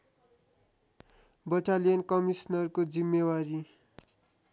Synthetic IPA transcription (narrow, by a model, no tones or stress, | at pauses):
bʌʈalijʌnkʌmisnʌrkod͡zimːewaɾi